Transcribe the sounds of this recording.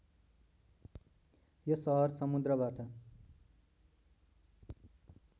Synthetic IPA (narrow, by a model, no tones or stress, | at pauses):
jʌsʌɦʌrsʌmud̪rʌbaʈʌ